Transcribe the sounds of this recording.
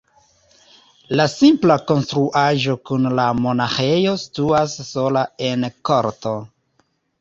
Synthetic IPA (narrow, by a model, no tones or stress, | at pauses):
lasimplako̞nstɾuʔaʒo̞kunlamo̞naxejo̞si̥tuasːo̞lae̞nko̞ɾto